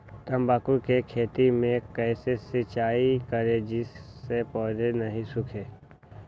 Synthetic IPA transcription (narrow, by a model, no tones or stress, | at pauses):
t̪ɐ̃mbaːkukekʰeːt̪imẽkɛɪsesɪt͡ʃaːikəɾed͡ʒɪsːepɔːɾenɐɦĩsʊkʰeː